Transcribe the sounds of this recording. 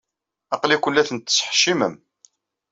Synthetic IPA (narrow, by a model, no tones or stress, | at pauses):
ɑqlikʷəlːæθənt̪ːə̥sħʃiməm